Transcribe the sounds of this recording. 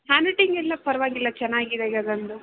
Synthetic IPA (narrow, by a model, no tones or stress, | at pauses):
haːniʈiŋɡɛlːɐpɐɾɐʋaːɡilːɐt͡ʃɛnːaːɡid̪eɡɐɡ̪ɐnd̪u